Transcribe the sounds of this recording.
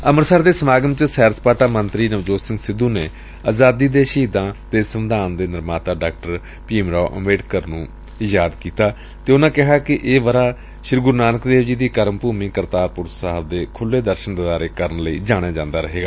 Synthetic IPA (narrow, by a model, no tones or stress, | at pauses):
əməɾsaːɾd̪eːsəmaːɡəmt͡ʃəsɛːɾspaːʈaːmənt̪ɾiːnəʋd͡ʒoːsɪ̃ŋɡsɪd̪ːuːneː | aːzaːd̪iːd̪eːʃiːd̪ãːt̪eːsəʋɪd̪aːnd̪eːnɪɾmaːt̪aːɖaːk̚ʈəɾ | piːmɾɔːʔə̰meːɖkəɾnũː | jaːd̪kiːt̪aː | t̪eːʊnãːkɪɦaːkɪʔeːʋəɾaː | ʃɪɾɡʊɾnaːnəkd̪eːʋd͡ʒiːd̪iːkəɾəmpuːmĩːkəɾt̪aːɾpʊɾsəɦəbd̪eːkʰʊlːeːd̪əɾʃənd̪əd̪aːɾeːkəɾənləḭːd͡ʒaːɽ̃jaːd͡ʒãːnd̪aːɾəɦeːɡaː